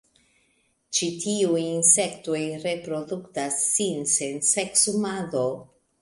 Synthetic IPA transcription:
t͡ʃitʰiujinse̞ktojɾe̞pɾo̞duktasːinse̞nseksumado

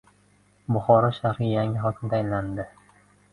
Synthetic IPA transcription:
bʊχɒɾɒʃahɾɪjaŋʲɪɦɒkʲʰɪmd̪aajnland̪ɪ

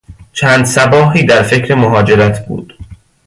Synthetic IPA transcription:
t͡ʃʰæːnd̪sæbɒːɦiːd̪æɾfe̞cɾe̞moɦɒːd͡ʒe̞ɾæt̪ʰbṵːd̪̥

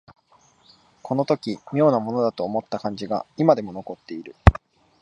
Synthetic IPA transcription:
kʰo̞no̞t̪o̞kʲimʲjo̞ːnamo̞no̞d̪at̪o̞ːmo̞t̪ːakãɲ̟d͡ʑiɡaimad̪e̞mo̞no̞ko̞t̪ːe̞iɾɯ̟

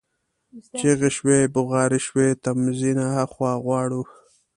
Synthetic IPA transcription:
t͡ʃeɣeʃwebʊɣɑːɾiʃwet̪amzinahaxwɑːɣwɑːɽu

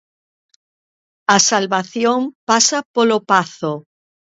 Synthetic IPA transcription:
asalβaθjoŋpasapolopaθo

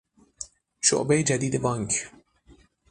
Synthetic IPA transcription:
ʃʊ̰ʔbejd͡ʒad̪iːd̪bɑŋk

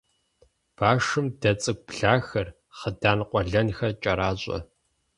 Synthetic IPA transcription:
b̥aːʂɨmdɐt͡sʼɨɡ̚ʷʼpɮaːxɐr | χədaːnqʷʼɔɮɐnxɐt͡ʃʼɐɾaːɕʷʼɐ̰

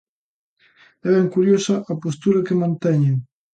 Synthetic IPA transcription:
ɛβɛŋkuɾjosɐʔapost̪uɾɐkemãnt̪ɛɲe

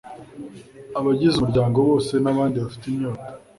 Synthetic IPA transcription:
aβaɟizuuɾɟaːŋɡo̞βo̞ːse̞naβaːndiβafi̥timɲoːtḁ

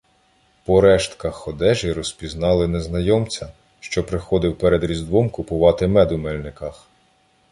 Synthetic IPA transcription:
pɔɾɛʃt̪kɐxɔd̪ɛʒiɾɔspʲiznɑlˠɪneznɐjɔmt͡sʲɐ | ʃt͡ʃɔpɾɪxɔd̪ɪwpɛɾed̪ɾʲizd̪ʋɔmkʊpʊʋɑt̪ɪmɛd̪ʊmɛlʲnɪkɐx

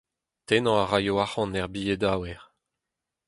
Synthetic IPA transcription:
t̪enɑ̃aʁajoaχɑ̃nɛʁbijed̪aːwɛʁ

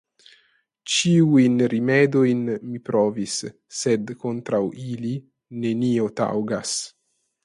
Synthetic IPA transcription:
t͡ʃiujnɾimedojnmipɾʔovisː | ed̪kont̪ɾawili | ne̞niot̪a̰wɡas

